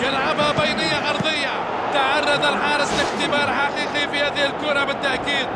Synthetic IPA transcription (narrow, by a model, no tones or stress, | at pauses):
ɡalʕababajnɪjːaʔɑɾˤðˤɪjːa | t̪aʕɑrˤːɑd̪alħɑːɾˤɪsˤlɪħt̪ɪbɑːɾˤħaqiːqifihaːðɪhɪlkʊːɾˤɑbɪt̪ːaʔkiːd̪̚